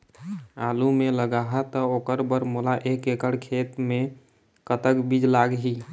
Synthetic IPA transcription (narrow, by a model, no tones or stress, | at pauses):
alumeləɡaɦət̪əokəɾbəɾmolaʔekekəɽkʰet̪me | kət̪əkbid͡ʒlaɡɦi